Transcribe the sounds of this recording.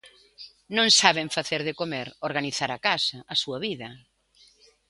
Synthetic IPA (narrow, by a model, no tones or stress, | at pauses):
nõŋsaβeɱfaθeɾðɪkomeɾoɾɣaniθaɾakasɐʔːsuɐβiðɐ